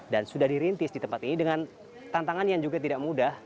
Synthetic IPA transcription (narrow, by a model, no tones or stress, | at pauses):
dansudahdiɾint̪ɪsdit̪əmpat̪inidəŋan | t̪ant̪aŋanjaŋd͡ʒuɡat̪idaʔmudah